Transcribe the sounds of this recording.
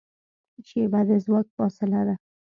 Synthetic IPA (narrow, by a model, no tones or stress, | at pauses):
t͡ʃebad̪ezwɑk̚fɔsɪlad̪a